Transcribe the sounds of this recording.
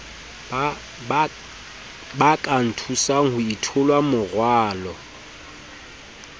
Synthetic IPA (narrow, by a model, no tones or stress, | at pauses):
bakʼan̩tʰusaŋ̩hʊitʰʊlwamʊrwaːlɔ